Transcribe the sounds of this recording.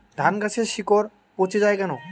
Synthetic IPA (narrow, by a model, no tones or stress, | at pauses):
d̪ʱankat͡ɕʰeɾʃikoɾ | pot͡ɕed͡ʑajkɛno